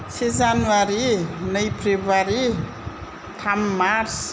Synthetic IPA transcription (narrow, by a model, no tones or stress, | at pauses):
sezanuaɾinaiprevaɾi | t̪ʰammaɾs